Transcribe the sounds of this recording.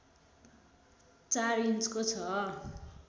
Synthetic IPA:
t͡saɾinskot͡sʰʌ

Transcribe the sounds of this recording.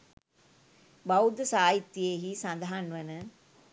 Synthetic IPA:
bawd̪əsaːjit̪ːjeɦisɐnd̪ɦanʋɐnə

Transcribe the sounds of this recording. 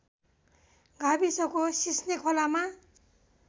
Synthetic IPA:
ɡʱabisʌkosisnekʰolama

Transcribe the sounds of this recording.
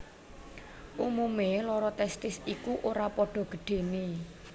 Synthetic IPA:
ʔumumelɔɾɔt̪ɛst̪ɪsikuʔoɾapɔɖ̥ɔ̤ɡ̥ə̤ɖ̥e̤ne

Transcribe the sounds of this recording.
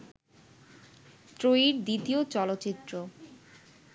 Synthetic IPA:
t̪ɾoiɾd̪it̪iot͡ɕɔlot̪ːt͡ɕit̪ːɾo

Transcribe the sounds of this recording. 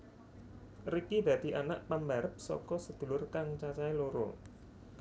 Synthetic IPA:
rikid̪̥ä̤d̪̥i̤ʔanaʔpambaɾəp̚sɔ̰kɔsəd̪̥ṳlʊrkaŋt͡ʃat͡ʃailoɾo̰

